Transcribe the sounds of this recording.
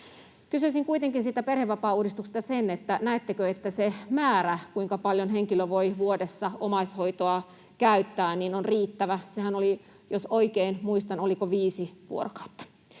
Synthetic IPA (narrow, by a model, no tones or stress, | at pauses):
kysyisiŋkuit̪eŋkinsiːt̪æperheʋːɑpɑːuːdist̪ukse̥st̪ɑsenet̪ːænæet̪ːekøet̪ːæsemæːɾækuiŋkɑpɑljonɦeŋkiløʋoiʋuodesːɑomɑishoit̪oɑ | kæyt̪ːæːninonriːt̪ːæʋæsehænoli | josoikeinmuist̪ɑnolikoʋiːsiʋṵorokɑ̥u̥t̪ːɑ̥